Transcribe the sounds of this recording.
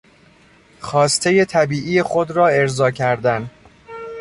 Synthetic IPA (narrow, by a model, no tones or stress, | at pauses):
xɒːst̪ʰe̞je̞t̪ʰæbiːʔije̞xod̪ɾɒːe̞ɾzɒːcʰæɾd̪æn